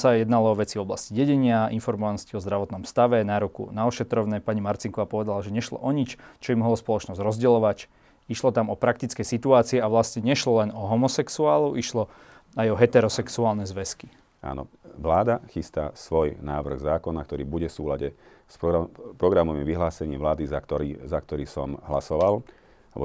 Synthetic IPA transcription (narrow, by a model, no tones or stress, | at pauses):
sajɛd̪nalɔɔʋɛt͡siɔblasciɟɛɟɛɲɪainfɔɾmɔʋanɔsciɔzd̪ɾaʋɔt̪nɔmst̪aʋɛnaɾukṵnaɔʃɛt̪ɾɔʋnɛpaɲimaɾt͡siŋkɔʋapɔʋɛd̪alaʒɛɲɛʃlɔ̰ʔɔɲit͡ʃt͡ʃɔimɦɔlɔspɔlɔt͡ʃnɔzɾɔzɟɛlɔʋac | iʃlɔt̪amɔpɾak̚t̪it͡skɛjsit̪uaːt͡siɛaʋlasɲɛɲɛʃlɔlɛnɔɦɔmɔsɛksuaːluʔiʃlɔ | ajɔɦɛt̪ɛɾɔsɛksuaːlnɛzʋɛski | a̰ːnɔ̰ | ʋlaːd̪axist̪a̰sʋɔjnaːʋr̩ɣzaːkɔnakt̪ɔɾiːbuɟɛfsuːlaɟɛ | spɔpɾɔɡɾamɔmiʋiɦlaːsɛɲiːmʋlaːd̪izaɔɾizakt̪ɔɾiːsɔ̰mɦlasɔʋal | ab̰